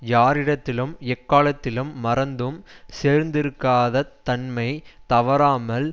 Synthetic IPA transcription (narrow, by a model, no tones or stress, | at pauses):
jaːɾɪɽɐt̪ːɪlɯmɛkːaːlɐt̪ːɪlɯmːɐɾɐnd̪ɯmseːɾnd̪ɪɾɯkːaːðɐt̪ːɐɳmɐɪt̪ɐʋɐɾaːmɐl